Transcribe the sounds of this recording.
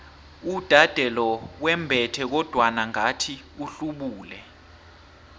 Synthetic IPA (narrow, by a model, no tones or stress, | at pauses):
ud̥ʱad̥ʱɛlɔwɛmbʱɛtʰɛk̬ɔd̥ʱwanaŋatʰiuɬuɓuːlɛ